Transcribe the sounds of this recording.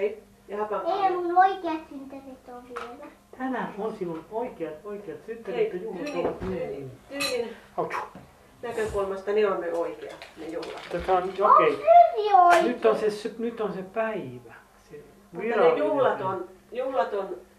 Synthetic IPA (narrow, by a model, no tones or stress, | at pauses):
ei | jɑhɑkɑehænunoikeɑt̪synt̪erit̪oʋielæ | t̪ʰænæonsilːunoikeɑt̪oikeɑt̪synt̪ːeret̪ːojuhlɑt̪oʋɑt̪myeninynɑut̪u̥ | nækøkulmɑst̪ɑneonmøoikeɑ̰nejuhlɑ̰tut̪ːɑseonookeiyʋioinyt̪ːonsesynyt̪ːonsepæiʋæ | se | miɑrnejuhlɑt̪on | juhlɑt̪on